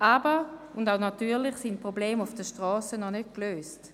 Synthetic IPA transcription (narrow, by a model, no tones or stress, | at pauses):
ʔabəundaʊnatyːɐlɪχsint̚pʁobleːmufd̥əʃtʁɔːsənɔnøt̚kløːst